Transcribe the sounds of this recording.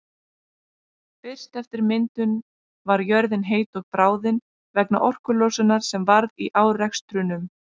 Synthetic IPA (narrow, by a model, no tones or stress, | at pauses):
fɪr̥st̪ɛft̪ɪɾmɪnt̪ʏn | vaɾjœɾðɪnɦeːjt̪ɔɣpɾaːwðɪn | vɛkna̰ʔɔr̥kʏlɔsʏnaɾ̥sɛmvaɾðiʔaːwrɛkst̪ɾʏnʏm